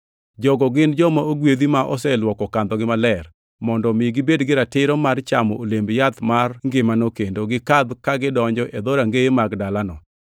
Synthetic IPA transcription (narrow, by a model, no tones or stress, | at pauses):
d͡ʒɔɡɔɡɪnd͡ʒɔmaoɡwed̪imaʔɔ̰sɛlwɔkɔkand̪ɔɡɪmalɛr | mɔndɔmɪɡɪbedɡɪɾatɪɾɔmart͡ʃamɔolembjat̪marŋɡɪmanokendoɡɪkad̪kaɡɪdɔɲd͡ʒɔʔed̪oɾaŋɡeemaɡdalanɔ